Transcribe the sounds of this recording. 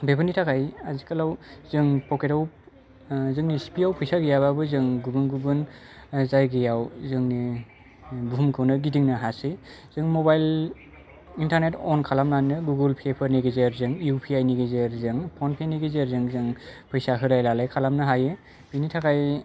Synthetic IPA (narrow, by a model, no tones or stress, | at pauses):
bebɯnitʰakajazikʰalawzɯŋpʰɔketaw | zɯŋnisi̥piawpʰɯjsaɡijaβabɯzɯŋɡubɯnɡuɡɯn | zajɡijawzɯŋni | buɦumkʰɯwnɯɡidiŋnɯɦasi | z̥ɯŋmɔbajl | intaɾnetɔnkʰalamnanːɯɡuɡɯlpʰepʰɯɾniɡezeɾzɯŋjupʰiajniɡezeɾzɯŋpʰɔnpʰeniɡezeɾzɯŋzɯŋpʰɯjsaɦɯɾajlalajkʰalamnɯɦaje | b̥initʰakaj